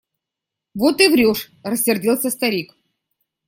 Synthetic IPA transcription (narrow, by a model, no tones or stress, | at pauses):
vot̪ɨvɾʲoʂ | rəsʲːɪrdʲilˠsʲəst̪aɾʲik